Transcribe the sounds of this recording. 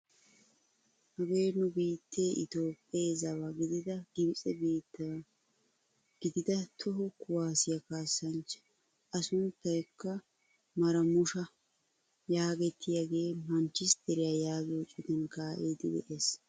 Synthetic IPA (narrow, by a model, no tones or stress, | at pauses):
hɐbe̞ːnːʊbiːt̪ːeːʔɪt̪o̞ːpʼːeːzɐwaɡɪd̪ɪd̪ɐɡɪbt͡sʼɛbiːt̪ːɐ | ɡ̥ɪd̪ɪd̪ɐt̪ʰɔɦɔkʊwaːsɪjakaːsːɐnt͡ʃ | ɐsʊnt̪ːɐjɛkːɐ | mɐɾɐmʊʃɐ | jaːɡɛt̪ʰːɪjaɡe̞ːmɐnt͡ʃːɪsd̪ɛɾɪjajaːzoːt͡ʃʼɪd̪ɛnkaːʔeːd̪ɪd̪ɛ̰ʔe̞ːs